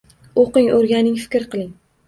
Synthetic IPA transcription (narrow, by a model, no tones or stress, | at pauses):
oqɪŋoɾɡʲanɪŋfɪ̥kʲɾqɨlˠɪŋ